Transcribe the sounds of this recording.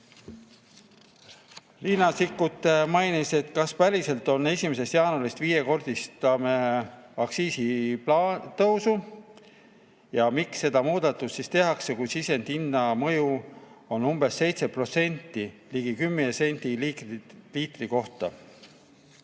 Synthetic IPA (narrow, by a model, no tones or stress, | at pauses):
linɑsikːut̪ːˑemɑjnise̞t̪kɑspælʲise̞lt̪ːˑo̞nːe̞sʲimese̞st̪jɑːnulist̪viːje̞ko̞rd̪̥ist̪ɑmeɑksiːsipːt̪ɤwsu | jɑmiksːe̞d̪̥ɑmuːd̪̥ɑt̪ːˑust̪ːist̪e̞ɦɑkse̞kujsise̞nd̪̥inːɑmɤjuo̞numbe̞se̞jt̪se̞pro̞t̪se̞nʲt̪ˑːiliɡ̥ikymːeese̞nʲd̪̥ililiːt̪riko̞ht̪ɑ̰